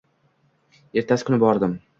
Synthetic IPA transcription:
e̞ɾt̪ʰasɪ̥kʰʊnɪbɒɾd̪ɪm

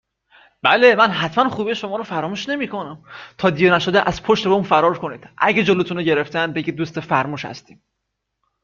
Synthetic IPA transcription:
b̥ælemænɦæt̪ʰmænχuːbeʃomɒːɾofæɾɒːmuːʃne̞miːkʰo̞næmt̪ʰɒːd̪ijenæʃod̪eʔæz̥pʰoʃt̪eeuːnfæɾɒːɾkʰoniːd̪̥ʔæ̰ɟed͡ʒolot̪ʰuneɟe̞ɾeft̪ʰæn̚beɟid̪ːuːst̪efæɾmuːʃhæ̰st̪iːm

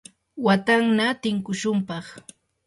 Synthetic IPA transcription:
wat̪aŋnat̪ɪŋkʊʃʊmpɑχ

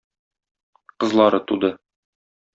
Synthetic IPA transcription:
qɤ̆zlˠɑɾɤt̪ud̪ɤ

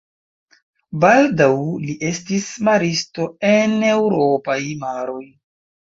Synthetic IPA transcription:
baldawliʔe̞stismaɾisto̞e̞ne̞wɾo̞pajmaɾo̞j

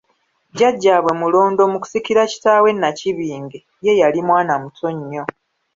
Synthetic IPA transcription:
ɟaɟːaːβwe̞mulo̞ːndo̞ːmuku̥sikiɾaci̥taːwe̞nːaciβiːŋɡe | je̞jalimwaːnamutʰo̞ɲːo̞

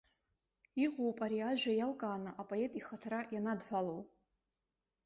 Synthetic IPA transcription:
iʁʷowpʼaɾiaʒᶣajalkʼaːnɨʔapʼoe̞tʼiχatʰarajanadħʷᶣalow

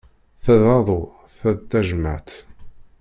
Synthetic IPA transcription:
θæðɑðˤo | θæðt̪ːæʒəmə̰ʕt̪

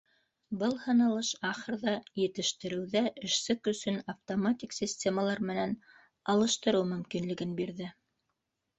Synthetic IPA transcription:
bɤlˠhɤ̆nɑlˠɤʃɑχɤ̆ɾðɑjɘ̆t̪ɘ̆ʃt̪ɘ̆ɾɘ̆wðæʔɘ̆ʃsɘkɵ̆sɵnɐft̪omatʲiksʲisʲtʲemalˠɑɾmɘ̆næn | ɑlˠɤ̆ʃt̪ɤ̆ɾɤwmɵ̆mkinlɘ̆ɡɘnbiɾðɘ

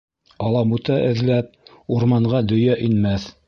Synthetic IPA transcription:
ɑlˠɑmut̪ɑʔɘ̆ðlæp̚ | uɾmɑɴʁɑd̪ɵ̆jæʔinmæθ

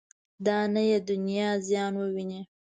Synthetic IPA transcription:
d̪ɑnajed̪ʊnijɑzjɑnwəwine

